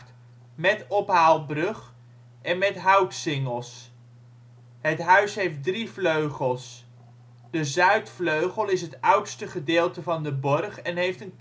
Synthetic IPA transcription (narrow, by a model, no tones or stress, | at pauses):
t | mɛtɔpɦaːlˠbrɵχ | ʔɛnmɛtɦœwksɪŋəlˠs | ɦətɦœɥsɦejf̚drifløɥχəlˠs | d̥əzœɥtfløɥχəlˠɪsɦətœwtstəχədɪːlˠtəvɑndəbɔrχɛnɦejftənk